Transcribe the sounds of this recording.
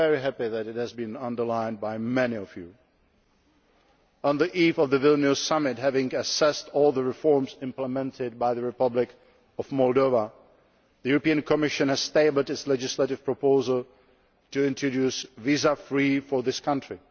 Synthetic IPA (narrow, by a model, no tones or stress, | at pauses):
ɛɹiɦæpiðæɾɨt̚hɨzbĩnʌ̃ndə˞lãɪ̃nbaɪmɛniɔvjṵ | ə̃nðiʔiːfɔvðəvɪlˠnʉzsamɪtɦævɪ̃ŋɨsɛstɔlˠðəɹɪfɔɹmsɪ̃mpləmɛ̃ntʰɪd̚baɪðəɹɪpʌblɪk | ɔvmɔlˠdoʊva | ðəjuɹɔpiɨ̃nkʰɔmɪʃɨ̃nhɨz̥steɪbl̩ˠdɨtslɛd͡ʒɪsleɾɪv̥pʰɹ̥ɔpoʊzəlˠ | tuɪ̃ntɹ̥ɔdʉsvizafɹifɔ˞ðɪskʰʌ̃ntɹ̥i